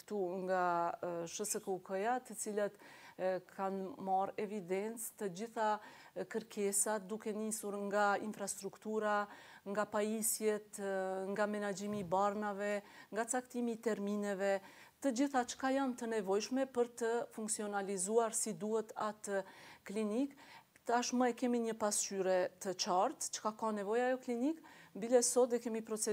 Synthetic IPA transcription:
t̪uŋɡaʃəsəkəwkəjat̪ət͡silat̪ | kʰanmaɾɛvid̪ɛnt͡st̪əd͡ʑiθa | kəɾkʰɛsat̪̚d̪ukɛnisuɾŋɡainfɾast̪ɾukt̪uɾaŋɡapajisjɛt̪ŋɡamɛnad͡ʒimibaɾnavɛŋɡat͡sakt̪imiːt̪ɛɾminɛvɛ | t̪əd͡ʒiθat͡ʃkajant̪ənɛvɔjʃmɛpəɾt̪əfuŋksiɔnalizuaɾsid̪uɛt̪at̪klinik | t̪aʃməɛkɛmiɲəpast͡ʃyɾɛt̪ət͡ʃaɾt̪t͡ʃə̥kakanɛvɔjajɔklinikbilɛsɔd̪ɛkɛmipɾɔt͡sɛ

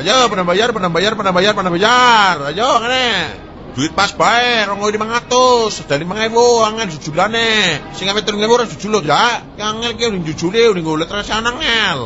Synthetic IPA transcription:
ajapanabajarpanambajarpanambajarpanambajarajɔaŋane | d̥uɪt̪̚pasb̥aɛɾɔŋoinimaŋat̪ʊsd̥animaŋɛwoaŋɛnd͡ʒud͡ʒudanesɪŋamɛt̪uɾŋewoɾad͡ʒud͡ʒulod͡ʒakaŋɛlkiauniŋd͡ʒu̥d͡ʒ̥uliuniŋɡoulɛt̪ɾasanaŋɛl

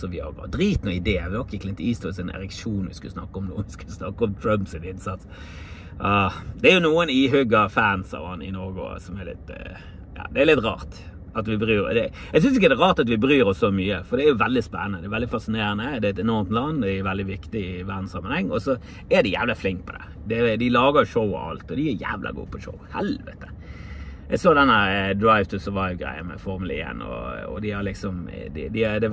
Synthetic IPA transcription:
sɔʋɪhɑ̰d̪ɾiːt̪nuɪd̪eːʋɪɔkːəkʰlɪniːst̪ɔsɛnɛ̰ɾɛkʃuːnʋɪ̰skʉ̰lsnɑ̰kːəɔmnṵːʋɪskʉlsnɑkəɔmt̪ʰɹœmpsɪnɪnsɑt̪s | ʔɑːd̪̥ɛæɾjʊnuːənɪɦʏɡɑfæːnsɑ̰ʋɑ̰nɪ̰nɔːɡʊ̰sɔmɛlɪ̰t̪ | jɑ̰ːd̪ɛːɾlɪt̪ɾɑ̰ːʁt̪ | ɑt̪ʋɪbəʁyːɾɔ̰d̪ɛ | æɛɡs̬ʏns̬ɪk̬ːəd̪ɛɾɑːʁt̪ɑt̪ʋɪbəɾyːɾɔsːɔmyːəfɔɾd̪ɛæjʊʋɛld̪ɪspɛ̰nːənəd̪ɛɾʋɛld̪ɪfɑsɪneːɾənəd̪ɛæɪt̪ɛnɔɾmt̪lɑnːd̪ɛɛʋɛld̪ɪʋɪkt̪ɪɪʋæʁd̪n̩sɑmːənhɛŋːɔsɔ | ɛd̪ɪjæ̰ːʋlɑflɪŋk̚pʰɔd̪ɛ̰ | d̪ɛd̪ɪlɑːɡəʂoʊ̰ɑ̰lt̪ɔd̪ɪjəjæ̰ːʋlɑ̰ɡṵːpʰɔʃo̰ʊhɛ̰lʋə̰t̪ə | ɛɡsoːd̪ɛnːəɾəd̪ɾaɪʋt̪ɪsəɾʋɑɪʋɡɾæ̰ɪə̰nmɛ̰fɔɾmʊlɪ̰ḛnɔ̰ɔ̰d̪ɪhɑɾlɪksɔmd̪ɪ̰d̪ɪɛd̪ɛ

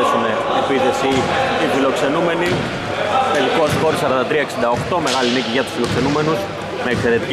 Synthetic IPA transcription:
esumeːpiθe̞sit̪ifilo̞kse̞nume̞ni | t̪e̞liko̞sɣo̞ɾisɐɾɐnd̪ɐt̪ɾiɐe̞ksind̪ɐo̞xt̪o̞me̞ɣɐliniciʝɐt̪u̥sfilo̞kse̞nume̞nus | me̞ːkse̞ɾe̞t̪ic

